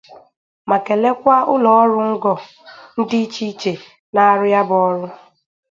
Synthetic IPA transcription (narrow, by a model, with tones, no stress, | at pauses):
ma˨ke˨le˦kʷa˦ʊ˦lɔ˨ɔ˦ɾʊ˦ŋ̩˦ɡɔ˨ | n̩˦di˦t͡ʃi˦t͡ʃe˨ | na˦a˦ɾʊ˦ja˦bɔ˦ɾʊ˦